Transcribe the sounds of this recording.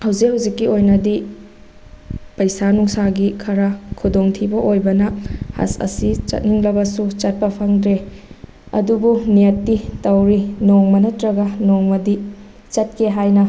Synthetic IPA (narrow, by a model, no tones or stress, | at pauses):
hɐwzik̚hɐwzikːiojnɐdi | pɐjsanuŋsaɡikʰɐɾɐkʰudoŋtʰibɐʔojbɐnɐha̰sɐ̰sit͡ʃɐ̰t̚niŋlɐbɐsut͡ʃɐt̚pɐpʰaŋdɾe | ɐ̰dubunijɐtːitɐwɾinoŋmɐnɐtɾɐɡɐnoŋmɐdi | t͡ʃɐt̚kʰeɦajnɐ